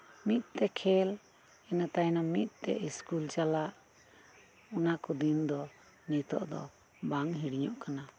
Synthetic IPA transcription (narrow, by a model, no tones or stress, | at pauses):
mit̪̚ˀt̪ɛkʰɛl | ɛnat̪ajnamit̪̚ˀt̪ɛ̰ʔiskult͡ʃalaʔ | ɔnakɔd̪ind̪ɔ | nit̪ɔ̰ʔd̪ɔ̰ | baŋɦiɽɲɔʔkana